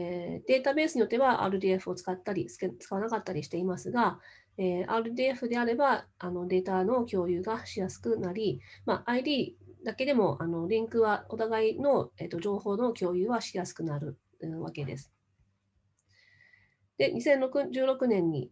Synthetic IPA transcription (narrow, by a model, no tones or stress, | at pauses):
d̪̥e̞ːt̪abe̞ːsɨɲijo̞t̪ːe̞βaa̰ːɾɯ̟d̪iːe̞ɸɯ̟o̞t͡sɨ̥kat̪ːaɾʲit͡sɨ̥t͡sɨ̥kaβanakat̪ːaɾʲiɕi̥t̪e̞imasɨɡa | eːa̰ːɾɯ̟d̪iːeɸɯ̟d̪e̞aɾe̞baano̞d̪e̞ːt̪ano̞kʲo̞ːjɯ̟ːɡaɕijasɨ̥kɯ̟naɾʲimaʔaid̪ʲiːd̪ake̞d̪e̞mo̞ʔano̞ɾʲĩŋkɯ̟βao̞t̪aɡaino̞et̪ːo̞ʑo̞ːho̞ːno̞kʲo̞ːjɯ̟ːβaɕijasɨ̥kɯ̟naɾɯ̟ | ɯ̟βa̰ke̞d̪e̞̰sɨ̥ | d̪̥e̞ɲʔisẽ̞nɾokɯd͡ʑɨːɾo̞kɯ̟nẽ̞ɲ̟ːḭ